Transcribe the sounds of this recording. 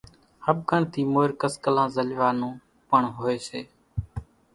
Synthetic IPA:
həb̚ɡəɳt̪ʰiːmoːɪɾkəskəlãːzəlʋaːnũː | pəɳɦoːeːsḛː

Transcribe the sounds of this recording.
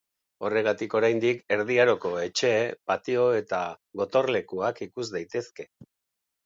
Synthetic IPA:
o̞re̞ɣ̞at̪iko̞ɾajnd̪ike̞ɾðiaɾo̞ko̞e̞t͡ʃe̞pat̪io̞e̞t̪aɣo̞t̪o̞rle̞kuakikuzd̪ajt̪e̞ske̞

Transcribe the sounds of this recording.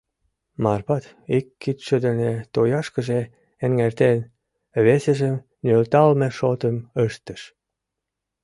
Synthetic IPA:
mɑrpɑt̪ | ikːit̪ʃəd̪ə̆net̪ojɑʃkə̆ʒe | eŋːert̪en | βesəʒəm | nølt̪ɑlmeʃot̪əməʃt̪əʃ

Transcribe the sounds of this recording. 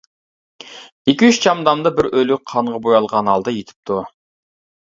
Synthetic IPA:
ikʲiyʃt͡ʃʰɑmd̪ɑmd̪ɑbɪɾølyqʰɑɴʁɑbojɑlˠʁɑnɑlˠd̪ɑjet̪ʰɪ̥p̚t̪ʰu

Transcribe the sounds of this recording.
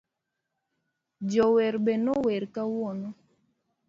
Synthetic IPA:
d͡ʒɔwɛɾbɛnowɛɾkawɔno

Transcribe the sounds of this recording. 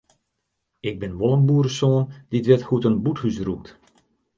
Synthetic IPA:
ɪɡ̚bɪnʋɔlˠəmbuːrəsoːnd̥iətʋɛtxutənbuthysrup̚t

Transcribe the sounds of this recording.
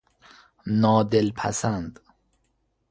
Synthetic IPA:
nɒːd̪elpʰæ̰sænd̪

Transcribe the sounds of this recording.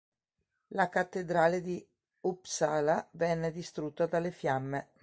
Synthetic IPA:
lakat̪ːed̪ɾaːled̪i | upsaːlavɛnːed̪ist̪ɾut̪ːad̪alːefjamːe

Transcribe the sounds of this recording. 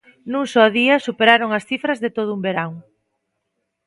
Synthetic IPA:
nũŋsɔðiɐsupeɾaɾoŋɐsθifɾɐzðet̪oðʊumbeɾaŋ

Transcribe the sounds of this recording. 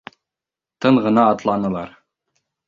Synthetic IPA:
t̪ɤɴʁɤ̆nɑːt̪lˠɑnɤ̆lˠɑɾ

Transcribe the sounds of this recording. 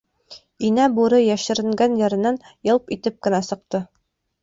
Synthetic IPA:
inæbuɾɤjæʃɘ̆ɾɘ̆ŋɡænjɘ̆ɾɘ̆nænjɤ̆lˠpit̪ɘp̚kɘ̆næsɤ̆q̚t̪ɤ

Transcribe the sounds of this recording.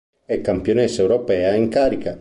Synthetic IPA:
ɛkːampjonɛsewɾopɛːaiŋkaːɾika

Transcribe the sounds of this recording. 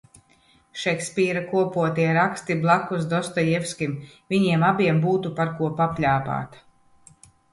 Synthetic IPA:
ʃɛksʲpʲiːɾakuɔpuɔt̪iɛɾakst̪iblˠakːusd̪ɔst̪ɔjɛfskʲimvʲiɲiɛmabʲiɛmbuːt̪upaɾkuɔpapʎʲaːpa̰ːt̪ḁ

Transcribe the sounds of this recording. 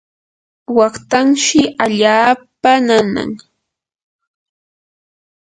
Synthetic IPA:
wɑχt̪aŋʃɪaʎaːpanana̰ŋ

